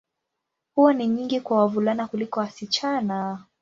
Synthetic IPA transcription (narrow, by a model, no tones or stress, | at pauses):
huwaniɲiŋɡikwawavulanakulikɔwasit͡ʃana